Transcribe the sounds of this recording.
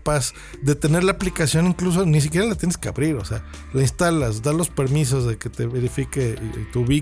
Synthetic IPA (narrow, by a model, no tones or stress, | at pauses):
pas | d̪e̞t̪e̞ne̞ɾlaːplikasjo̞niŋklus̬o̞nis̬ikje̞ɾalat̪jeneskea̰βɾiɾo̞̰sea | lainst̪alasd̪alo̞spe̞ɾmis̬o̞zðe̞ke̞t̪e̞βeɾifiket̪uβi